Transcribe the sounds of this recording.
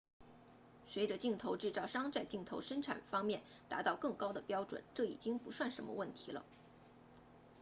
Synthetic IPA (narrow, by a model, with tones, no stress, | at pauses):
swe˧˥ɪʈ͡ʂə˧t͡ɕi˥˩ŋt̪ʰo˧˥ʊʈ͡ʂɻ̩˥˧t͡sɑ˥˩ʊʂɑ˥ŋt͡sa˥˧ɪt͡ɕi˥˩ŋt̪ʰo˧˥ʊʂə˥nʈ͡ʂʰa̰˨˩nfɑ˥ŋmjɛ˥˩n | t̪a̰˧˥t̪ɑ˥˧ʊkɤ˥˩ŋkɑ˥ʊd̪ə˨pjɑ˥ʊʈ͡ʂwə̰˨˩˦nʈ͡ʂɤ˥˩ḭ˨˩t͡ɕi˥ŋpu˧˥swa˥˩nʂə˧˥nmə̰˧wə˥˩nt̪ʰi˧˥lə̰˧